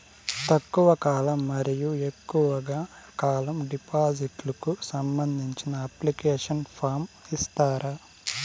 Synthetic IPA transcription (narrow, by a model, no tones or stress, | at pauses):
t̪ɐkːuʋɐkaːlɐmːɐɾijue̞kːuʋɐɡaːkaːlɐmɖipaːd͡ʒiʈlɐkusɐmbɐnd̪ʱiɲt͡ʃinɐɐplikeːʂɐnpʰaːɾmist̪aːɾa